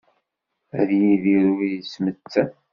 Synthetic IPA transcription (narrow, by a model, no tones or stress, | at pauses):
æðjiðiɾuijəsmət͡sːæ